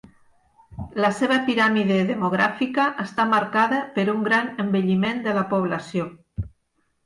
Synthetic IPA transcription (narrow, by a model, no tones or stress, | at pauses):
ləseβəpiɾamiðeðemoɣɾa̰fikəʔəst̪amaɾkaðəpəɾuŋɡɾanəmbəʎimend̪ələpoβ̞lasio